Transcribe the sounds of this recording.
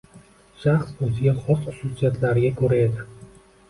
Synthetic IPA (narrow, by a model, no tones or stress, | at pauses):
ʃaχsozɪɡʲaχɒsχʊ̥susijat̪ʰlaɾɪɡʲakʰɵɾae̞d̪ɪ